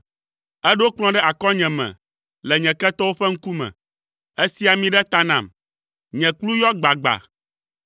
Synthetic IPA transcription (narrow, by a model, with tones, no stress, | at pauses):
ɛ˦ɖɛ˦wo˦k͡plɔ̃˦ɖɛ˦ʔa˨kɔ̃˦ɲɛ̃˨mɛ̰̃˨ | lɛ˨ɲɛ̃˨kɛ˦t̪ɔ˦wo˦ɸɛ˦ŋ̩˦ku˦mɛ̰̃˨ | e˦si˦a˨mĩ˦ɖɛ˦t̪a˦nã˨m | ɲɛ̃˨klu˦jɔ˦ɡ͡ba˨ɡ͡ba̰˨